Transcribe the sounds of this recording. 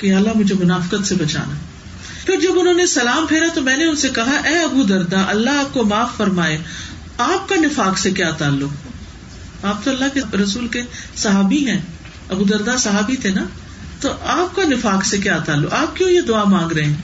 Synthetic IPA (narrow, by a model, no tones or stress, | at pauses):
kejaːəlːaɦmʊd͡ʒʱemʊnaːfɪkət̪sebɐt͡ʃa̰ːnaː | pʰɪɾd͡ʒɐbʊnɦõːnesɐlaːmpʰeːɾat̪omɛ̃ːneʊnsekɐɦaʔɛːɐbud̪ɐɾd̪aʔɐlːaɦaːp̚komaːfːɐɾmaːeː | aːp̚kanɪfaːksekjaːt̪aːlːʊk | aːp̚t̪oɐlːakeɾɐsuːlkesɐɦaːbiɦɛ̃ː | ɐbud̪ɐɾd̪asɐɦaːbit̪ʰenaː | t̪oʔaːp̚kanɪfaːksekjaːt̪aːlːʊkaːp̚kjõːjed̪ʊaːmãːŋɡɾɐɦẽː